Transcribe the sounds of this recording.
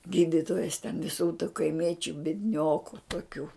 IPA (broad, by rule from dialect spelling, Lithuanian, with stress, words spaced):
ˈɡʲiːdʲɪtoːjɛs tʲɛn ʋʲɪˈsuː tʊ kɐɪˈmʲiɛt͡ʃʲʊ bʲiɛdʲˈnʲoːkʊ toːˈkʲuː